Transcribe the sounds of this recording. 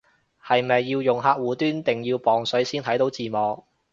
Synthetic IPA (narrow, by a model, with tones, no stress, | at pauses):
hɐ˨jmɐ˨jːiː˧wjʊ˨˩ŋɦaː˧k̚wuː˨˥t̪yː˥nt̪ɪ˨ŋjiː˧wpɔː˨˩ŋsɵ˨˥ɥsiː˥nt̪ʰɐ˨˥jt̪o˨˥wt͡siː˨mɔː˨k̚